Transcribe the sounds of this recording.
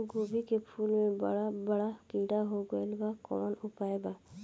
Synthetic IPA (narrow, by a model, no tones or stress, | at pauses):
ɡobʱikepʰulmẽɽabəɽakĩɖaɦoɡɔelbakɔ̰nʊpaeba